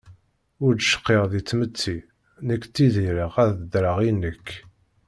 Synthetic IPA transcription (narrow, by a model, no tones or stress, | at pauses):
ʊɾd̪ʃə̥qːeʁðit͡sːmət͡sːi | nəkːt͡sːiðiɾəʁæðd̪ɾəʁinəkː